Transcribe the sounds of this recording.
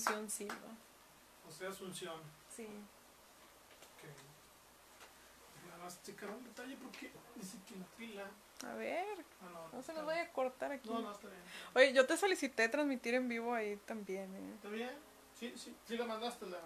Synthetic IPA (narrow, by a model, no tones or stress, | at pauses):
nsjonsilβa̰ | oseasunsjon | si | ke | namast͡ʃikaɾunat̪aʎepoɾkenisikinapila | a̰βeɾ | ononosenozβajakoɾt̪aɾakionost̪aβjenojeʝot̪esolisit̪et̪ɾanzmit̪iɾembiβoait̪ambjenḛt̪aβjen | sisit͡sikamand̪ast̪ela